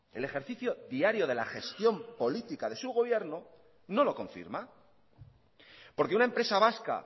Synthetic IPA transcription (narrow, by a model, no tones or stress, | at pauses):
e̞le̞xe̞ɾθiθjo̞ðiaɾjo̞ðe̞laχe̞st̪jo̞mpo̞lit̪ikaðe̞suɣ̞o̞β̞je̞ɾno | no̞lo̞ko̞ɱfḭɾma | poɾkeunaempɾe̞saβaska̰